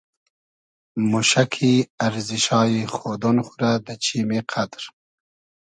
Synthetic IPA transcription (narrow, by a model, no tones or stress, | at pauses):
muʃakʰiaɾziʃɑːjixod̪onxuɾad̪ət͡ʃʰimeqʰad̪ɾ